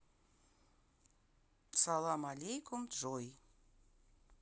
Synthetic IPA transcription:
sɑlˠɑmɑlʲejkumt̪ʒoj

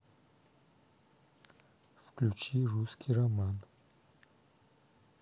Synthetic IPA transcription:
fklʲut͡ɕiruskʲʰirɐman

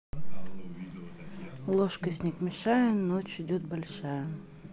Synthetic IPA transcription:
lˠoʂkəsʲnʲɪkmʲɪʂajənot͡ɕɪdʲot̪̚bɐlʲʂajə

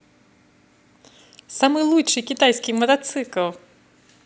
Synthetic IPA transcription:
samɨjlˠut͡ʂɨjkʲit̪ajsʲkʲijmɐt̪at̪sɨkɐlˠ

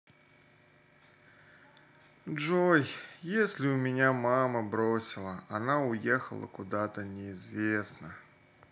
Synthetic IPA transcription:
ʐojjesʲlʲɪʊmʲɪnʲamaməbɾosʲɪlˠəɐnaʊjexə̰lˠə̰kʊd̪at̪ənʲɪɪzvʲesnə

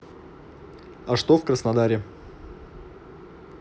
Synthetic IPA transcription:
ɐʂt̪ofkrəsnɐd̪aɾʲɪ

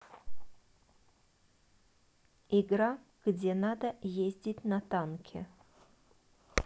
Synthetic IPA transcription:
ɪɡɾa | ɡ̥dʲenad̪əjezʲdʲɪtʲnɐt̪ankʲʰɪ̰

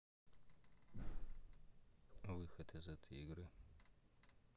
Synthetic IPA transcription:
awixɐtʰɐzɐtʰjɪɡɾɐ

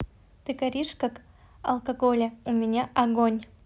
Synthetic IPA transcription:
t̪ɨɡɐɾʲiʂkak | ɐ̰lˠkɐɡolʲɐumʲɪnʲaʔɐɡonʲ

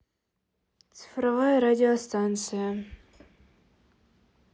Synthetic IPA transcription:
t̪sɨ̥fɾɐvajəɾadʲɪɔst̪ant̪sɨjə

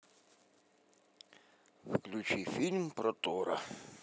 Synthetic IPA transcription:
fklʲʊt͡ʃifʲilʲmpɾɔt̪ɔɾɐ̰

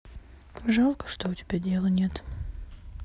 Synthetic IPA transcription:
ʐalˠkə̥ʂt̪oʊtʲɪbʲadʲelˠənʲet̪

